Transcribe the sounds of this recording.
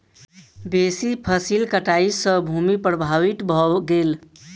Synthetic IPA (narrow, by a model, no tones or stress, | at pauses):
besipʰəsilkəʈaisə̃bʱumipɾəbʱaʋit̪bʱɔɡel